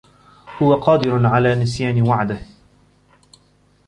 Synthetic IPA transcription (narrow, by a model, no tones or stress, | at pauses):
hʊwaqɑːd̪ɪɾʊʕalaːnɪsjaːnɪwaʕd̪ɪh